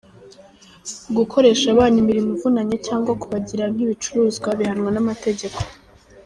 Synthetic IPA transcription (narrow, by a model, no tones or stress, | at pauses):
ɡukʰo̞ɾe̞ʃaβaːnimiɾimuvunaɲecaːŋɡwakuβaɟiɾanhiβit͡ʃuɾuːzɡwaβihanwanamate̞ɟe̞kʰo̞̥